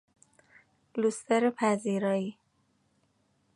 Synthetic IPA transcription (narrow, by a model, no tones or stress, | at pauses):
lust̪eɾepʰæziːɾɒːi